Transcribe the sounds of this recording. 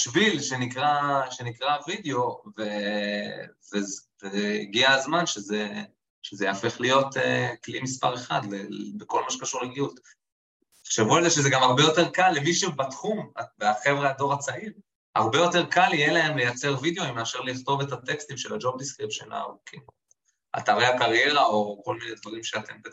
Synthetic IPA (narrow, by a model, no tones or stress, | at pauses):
ʃvilʃe̞nikʁaʃe̞nikʁavid̪eo̞ve | vezveiɡiazmanʃeze | ʃezejafe̞χlijo̞teklimispa̰ʁe̞χa̰d̪lebeko̞lmaʃekaʃuʁleɡiut | ʃevualzeʃezeɡamaʁbe̞jo̞te̞ʁkalːemiʃebatχumaveaχevʁeado̞ʁat͡saʔiʁ | a̰ʁbe̞jo̞te̞ʁkalijelae̞mle̞jat͡seʁvid̪eoimeaʃeʁliχt̪o̞ve̞tat̪e̞kst̪imʃelad͡ʒo̞b̚diskʁipʃḛna̰ʁukʰim | a̰t̪aʁeakaʁje̞ʁao̞ko̞lminedvaʁimʃeat̪e̞mbe